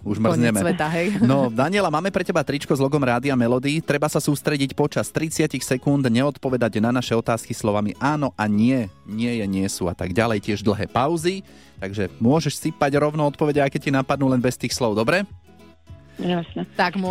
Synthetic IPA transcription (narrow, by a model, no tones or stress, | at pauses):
uʒmr̩zɲɛmɛɛaɦɛjnɔd̪aɲɪɛlamaːmɛpɾɛcɛbat̪ɾit͡ʃkɔzlɔɡɔmɾaːd̪iamɛlɔd̪iːt̪ɾɛbasasuːst̪ɾɛɟicpɔt͡ʃast̪ɾit͡sɪacixsɛkund̪ɲɛɔt̪pɔʋɛd̪aɟnanaʃɛɔt̪aːskislɔʋamiʔaːnɔʔaɲɪɛɲɪɛjɛɲɪɛsuːa̰t̪aɡɟalɛjcɪɛʒd̪l̩ˠɦɛ̰ːpaʊzi | t̪aɡʒɛmʊɔʒɛʃsipaɟɾɔʊnɔɔt̪̚pɔʋɛɟɛakɛcinapad̪nuːlɛnbɛst̪iːxslɔʊd̪ɔbɾɛ | asnɛt̪aɡm